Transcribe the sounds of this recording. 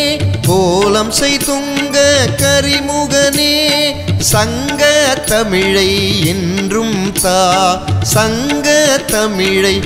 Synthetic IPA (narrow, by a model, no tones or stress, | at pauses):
koːlɐmsɛjt̪ʊŋɡɐkɐɾimʊɣɐneːsɐŋ | ɡɐt̪ːɐmɪɻɐɪɛndrɯmt̪aːsɐŋɡɐt̪ɐmɪɻɐɪ